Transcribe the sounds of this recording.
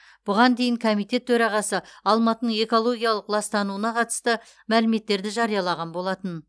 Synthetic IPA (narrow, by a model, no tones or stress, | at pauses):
b̥ʊʁɑnd̪e̞jɪŋkʰomijt̪e̞t̪ʰɵɾɑʁɑsəɑlˠmɑt̪ənəɴe̞ko̞lˠo̞ɡʲijɑlˠəqlˠɑst̪ɑnuənɑqʰɑt̪ə̥st̪ə | mælɪme̞t̪ːe̞ɾd̪ɪʒɑɾijɑlˠɑʁɑnbo̞lˠɑt̪ən